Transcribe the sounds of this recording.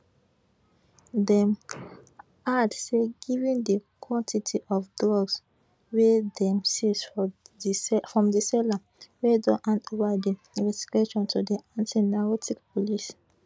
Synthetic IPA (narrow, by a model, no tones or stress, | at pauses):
dɛ̃m | adseɡivĩndikʰwɔ̃ntʰitʰiʔɔfdɔɡs | wedɛ̃msis | fɹɔ̃mdisɛla | wedɔ̃ʔãntovadi | ĩvɛsti̥ɡ̥eʃɔ̃ntʰudiãntʰinakɔtʰikpʰɔlis